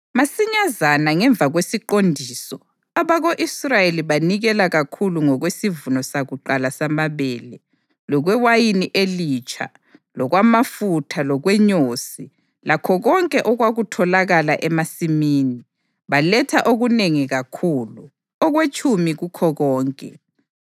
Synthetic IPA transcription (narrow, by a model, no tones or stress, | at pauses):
masiɲazanaŋɛɱbvʱaɣwesiǃondʱiːsɔ | aβaɣoʔisrajeliβaniɣɛlaɣakʰuluŋɔɣwesivunɔsaɣuǃalasamaβɛːlɛ | lɔɣwɛwajiniʔelit͡ʃʰʼa̰ | lɔɣwamafutʰalɔɣwɛɲoːsi | lakʰɔɣɔŋkʼɛʔɔɣwaɣutʰɔlaɣalaʔɛmasimiːni | βalɛtʰaʔoɣuneŋiɣakʰuːlu | ɔɣwet͡ʃʼumiɣukʰɔɣɔːŋkʼɛ